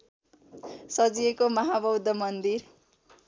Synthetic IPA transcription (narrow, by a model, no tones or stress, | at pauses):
sʌd͡zijekomʌɦabʌwd̪ʱʌmʌnd̪ir